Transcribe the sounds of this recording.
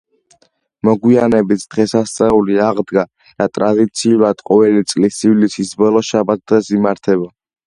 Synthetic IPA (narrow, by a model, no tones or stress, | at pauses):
mɔɡwianɛbit̪ʰd̪̥ʁɛsast̪sʼɛuliaʁd̪ɡa | d̪̥at̪ʼɾad̪it̪sʰiulad̪̥qʼɔvɛlit̪sʼlisivlisisbɔlˠɔʃabat̪̚ʰd̪ʁɛsimaɾt̪ʰɛba